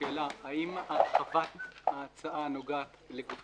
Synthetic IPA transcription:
eːlaaimatχafat̪aːt͡saʔanoɡaat̪ | lekuf

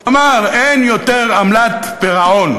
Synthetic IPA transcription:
amaʁenjot̪eʁamlat̪ | b̥eʁaon

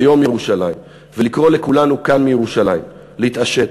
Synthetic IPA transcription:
jo̞mjeʁuʃalaim | velikʁo̞le̞kulanukanmijeʁuʃalaḭm | lehit̪aʃe̞t

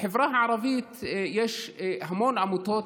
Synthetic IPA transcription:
ħɪvɾɑːhʕɑɾˤɑviːt̪jeːʃhamoːnʔamut̪oːt̪

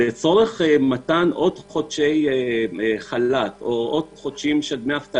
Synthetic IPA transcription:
et͡so̞ʁeχmat̪anʔod̪χod̪ʃej | χalat̪oʔod̪χod̪ʃimʃedmeaft̪a

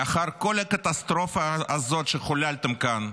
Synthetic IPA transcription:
aχaɾko̞lhɐkɐt̪ast̪ɾo̞fɐːzo̞t̪ʃeχʊlalʲt̪emkan

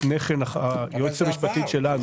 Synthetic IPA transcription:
neχenaχajot͡samiʃpat̪it̪ʃelan

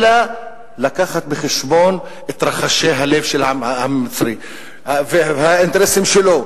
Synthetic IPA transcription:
la | lakaχat̪̚beχeʃbo̞n | et̪ɾaχaʃejɦalevʃelaamːit͡sɾi | avehaint̪eɾesimʃelo̞

